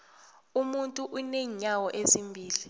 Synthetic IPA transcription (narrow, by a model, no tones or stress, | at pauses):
umuntʼuʔuneɲawɔʔezimbʱiːli